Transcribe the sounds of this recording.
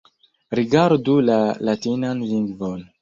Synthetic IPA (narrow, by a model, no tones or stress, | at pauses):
ɾiɡaɾdulalatinanliŋɡvon